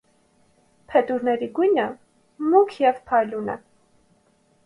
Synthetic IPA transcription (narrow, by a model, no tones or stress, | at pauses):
pʰɛt̪uɾnɛɾiɡujnə | muŋkʰjɛvpʰɑjlunə̰